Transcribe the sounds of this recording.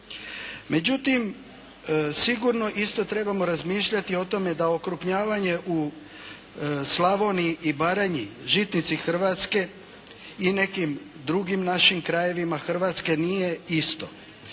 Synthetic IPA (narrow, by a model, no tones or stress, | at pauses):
me̞d͡ʑut̪im | siɡuɾno̞ʔist̪o̞t̪ɾe̞bamoɾazmiːʃʎat̪io̞t̪o̞me̞d̪aokɾupɲaːʋaɲe̞ʔu | slaʋo̞niʔibaɾaɲiʒit̪nit̪sixr̩ʋat̪ske̞ | ine̞kim | d̪ɾuɡimnaʃimkɾaje̞ʋimaxr̩ʋat̪ske̞nije̞ist̪o̞